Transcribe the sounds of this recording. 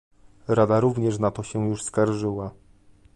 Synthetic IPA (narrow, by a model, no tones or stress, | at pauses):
ɾad̪aɾuvɲɛʂnat̪ɔɕɛjuʂskaɾʐɘwa